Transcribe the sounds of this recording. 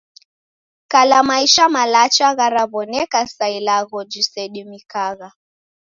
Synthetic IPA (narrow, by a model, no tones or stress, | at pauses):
kalamaiʃamalat͡ʃaɣaɾaβɔnɛkasailaɣɔd͡ʒisɛɗimikaɣa